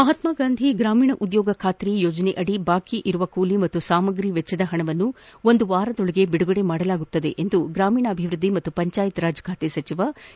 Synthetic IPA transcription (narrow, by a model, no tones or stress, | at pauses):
mɐɦɐt̪maːɡaːnd̪ʱiɡɾaːmiːɳɐʔud̪jɔːɡɐkʰaːt̪ɾijoːd͡ʒɐneʔɐɽibaːkiʔiɾuʋɐkuːlimɐt̪ːusaːmɐɡɾiʋɛt͡ʃːɐd̪ɐɦɐɳɐʋɐnːuo̞nd̪uʋaːɾɐd̪ɔɭɐɡe̞biɽuɡɐɽe̞maːɽɐlaːɡut̪ːɐd̪e̞̰ʔend̪uɡɾaːmiːɳɐːbʱiʋɾud̪ːimɐt̪ːupɐɲt͡ʃaːjit̪ɾaːd͡ʒkʰaːt̪esɐt͡ʃiʋɐ